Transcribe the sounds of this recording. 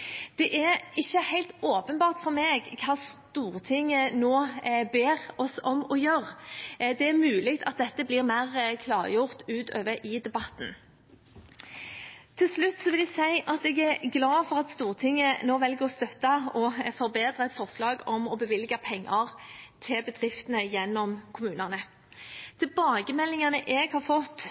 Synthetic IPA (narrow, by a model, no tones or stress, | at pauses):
d̪̥ɛʔæɾɪçːəhæɪlt̪oːpənbɑːʁt̪fɔɾmeːɡkʰɑːst̪uːʁt̪ʰɪŋənoːbeːʁɔsɔmɔjøʁd̪ɛæɾmʉːlɪk̚t̪ʰɑt̪̚d̪ɛt̪ːəbliːʁmæɪʁkʰlɑːʁjʊʁt̪ʉːt̪ʰø̰ːʋəʔɪd̪ɛbɑt̪n̩ | t̪ʰɪlslʉt̪ːsɔʋɪlæsæɪʔɑt̪ɛɡæɾɡlɑːfɔʁɑt̪st̪uːʁt̪ʰɪŋːənoːʋɛlɡəʁɔst̪œt̪ːɑɔfɔʁbeːd̪ɾəɛt̪fɔʁslɑːɡɔmɔbəʋɪlɡɑpʰɛŋːʔɑʁt̪ʰɪlbəd̪ʁɪft̪ənəjɛnːɔmkʰʊmʉːnənə | t̪ʰɪlbɑːɡəmɛlːɪŋɑnəʔɛɡhɑːʁfɔt̪ː